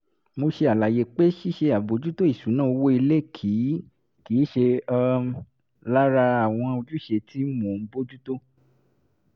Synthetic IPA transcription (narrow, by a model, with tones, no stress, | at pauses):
mo˧ʃe˧a˨la˨je˨k͡pe˦ʃi˦ʃe˧a˨bo˨˦d͡ʒu˦to˦i˦˨ʃu˨˦nãː˦˨˧wo˦i˧le˦˨kʰi˨˦ | ki˨˦ʃe˧ɔ˧ | la˦ɾa˧a˨w̃ɔ̃˧o˧d͡ʒu˦ʃe˧˨tʰi˦mõ˨m̩˦bo˦d͡ʒu˦to˦